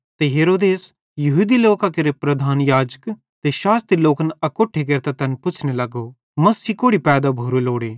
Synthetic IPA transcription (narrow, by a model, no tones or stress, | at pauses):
t̪eɦeːɾoːd̪eːs | jɐɦud̪iloːkakɐɾepɾɐd̪ʱaːnjaːd͡ʒə̥k | t̪eʃaːst̪ɾiloːkənɐkoːʈʰek̬ɐɾt̪at̪ɛnpʊt͡ʃʰnelɐɡo | mɐsiːkoːɽipɛːd̪abʱuɾoloːɽeː